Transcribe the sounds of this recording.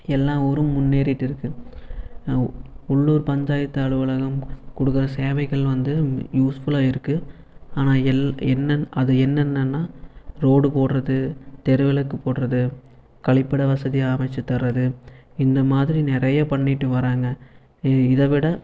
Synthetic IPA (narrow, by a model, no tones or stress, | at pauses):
ɛlːãːɔɾɯmːʊnːeːɾɪʈːɪɾɯkːɯ | ʊɭːuːɾpɐɲd͡ʒaːjɐt̪ːɐɐɭɯʋɯɭɐɣɐmkʊɽɯkːɯɾɐseːʋɐɪɣɐɭʋɐnd̪ɯjuːsfʊɭaːɪɾɯkːɯ | aːnaːɛlɛnːɐʔɐðɯɛnːɛnːɐnːaːɾoːɽɯpoːɽrɐðɯt̪ɛɾɯʋɪlɐkːɯpoːɽrɐðɯ | kɐɭɪpːɐɽɐʋɐsɐðiaːmɐɪt͡ʃːɐt̪ːɐrːɐðɯɪnd̪ɐmaːðɪɾinɪɾɐjɐpɐɳːɪʈːɯʋɐɾaːŋɡɐ | ɪðɐʋɪɽɐ